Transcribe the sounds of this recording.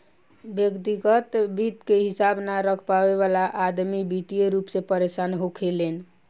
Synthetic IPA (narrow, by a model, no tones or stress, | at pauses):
bjəkt̪iɡət̪bit̪keɦisabnaɾəkʰpaβeβalaʔːd̪mibit̪ijeɾupsẽpəɾesanɦokʰelen